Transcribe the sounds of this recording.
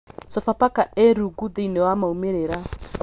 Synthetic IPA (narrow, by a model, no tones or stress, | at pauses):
sɔfapakaeɾuɡuðeinɛwamaumɛɾɛɾa